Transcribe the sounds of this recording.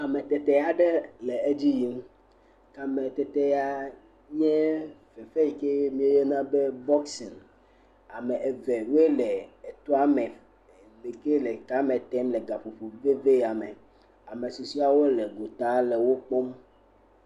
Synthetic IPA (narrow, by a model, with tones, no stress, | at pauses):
a˨mẽ˨t̪ɛ˨t̪ɛ˦a˨ɖɛ˦le˨e˦d͡ʑi˦ji˦m˦ | ka˨mẽ˨t̪ɛ˨t̪e˦a˦ | ɲɛ̃˦fe˨fe˦i˨ke˦mĩ˦e˦je˦nã˦be˦bɔ˦ksi˨n | a˨mɛ̃˨ʔe˨ve˨wo˦e˦le˨e˨t̪ɔ˦a˦mɛ˨ | be˨ke˦le˨ka˦mẽ˨t̪ɛ˦mlɛ˨ɡa˨fo˨ɸo˨ve˦ve˦˨a˨me˨ | a˨me˨su˨si˦a˨wo˦le˨ɡo˨t̪a˨˦le˨wo˦k͡pɔ˦m